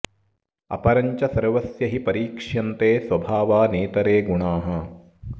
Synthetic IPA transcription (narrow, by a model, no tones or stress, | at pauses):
ɐ̰pɐɾɐɲt͡ʃɐsɐɾʋɐsjɐɦipɐɾiːkʂjɐnt̪eːsʋɐbʱaːʋaːneːt̪ɐɾeːɡuɳaːɦɐ